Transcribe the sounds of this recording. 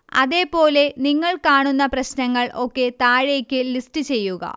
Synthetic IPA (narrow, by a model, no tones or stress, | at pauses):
ɐ̰ðe̞ːpo̞ːle̞niŋːɐɭkaːɳunːɐprɐɕnɐŋːɐɭʔo̞kːe̞t̪aːɻekʲːɨlistɨt͡ɕe̞jːuɣɐ̰